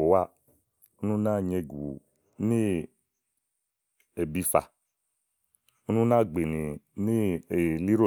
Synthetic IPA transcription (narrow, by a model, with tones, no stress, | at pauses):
o˨wa˦ | o˦nũ˦nã˦˨ɲe˧ɡu˨ | nĩ˦ | e˨bi˧fa̰˨ | o˦nũ˦nã˦˨ɡ͡be˨ni˨nĩ˦e˨li˦ɾo˦˨